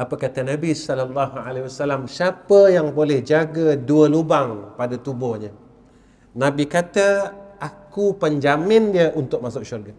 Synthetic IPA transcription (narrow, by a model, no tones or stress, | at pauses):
apəkat̪ənabisɔlalːaɦalewasalamsiapəjaŋbolɛhd͡ʒaɡəduəlubaŋpadat̪ubɔhɲə | nãbikat̪əakupəɲd͡ʒamɪndiəʔunt̪ʊk̚masʊk̚ʃurɡə